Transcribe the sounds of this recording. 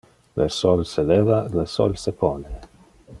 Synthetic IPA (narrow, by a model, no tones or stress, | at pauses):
lḛsɔlselevalesɔ̰lsepɔne